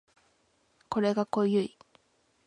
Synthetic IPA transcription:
ko̞ɾe̞ɡako̞jɯi

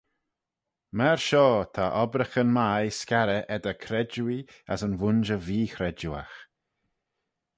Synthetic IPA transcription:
mɛɹʃɔːt̪ʰaʔɔbɾəxənmajskaɾəʔɛd̪əkʰɾɛd͡ʒui | a̰sənvʊnʒəviːxɾɛd͡ʒua̰x

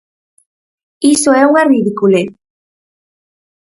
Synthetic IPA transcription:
isoɛuŋariðikule

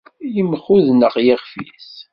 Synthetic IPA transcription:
jəmχuðnəʁjɪʁfḭθ

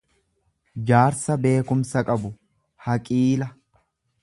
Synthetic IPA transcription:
d͡ʒaːɾsɐbe̞ːkʊmsɐkʼɐbʊ | hɐkʼiːlɐ

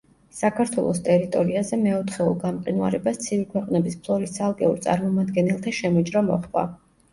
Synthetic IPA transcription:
sakʰaɾt̪ʰwɛ̰lˠɔst̪ʼɛɾit̪ʼɔɾiazɛmɛɔt̪ʰχɛɔɡamqʼinwa̰ɾɛbast̪sʰivikʰwɛqʼnɛbispʰlˠɔɾist̪sʰalˠkʼɛṵɾt̪sʼa̰ɾmɔmad̪ɡɛnɛlˠt̪ʰaʃɛmid͡ʒɾɔmɔ̰χva̰

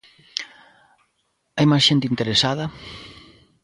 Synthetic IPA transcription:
ajmasʃent̪ɪint̪eɾesaðɐ

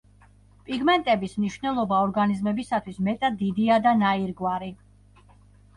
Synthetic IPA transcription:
pʼiɡmɛnt̪ʼɛbismniʃvnɛlˠɔbaɔɾɡanizmɛbisat̪ʰwismɛt̪ʼad̪ːid̪iad̪anaiɾɡwaɾi

